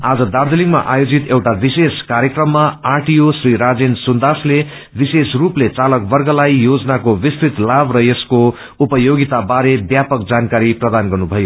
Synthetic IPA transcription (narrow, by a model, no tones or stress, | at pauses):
ad͡zʌd̪ard̪eliŋɡma̰ʔajod͡zit̪ewʈabiseskaɾjekrʌmːaaʈijosriɾad͡zensund̪asle | bisesruplet͡salʌkbʌrɡʌlajjod͡zʌnakobist̪ɾit̪labrʌjesko | upʌjoɡit̪abaɾebjapʌk̚d͡zankaɾiprʌd̪anɡʌrnubʱʌjo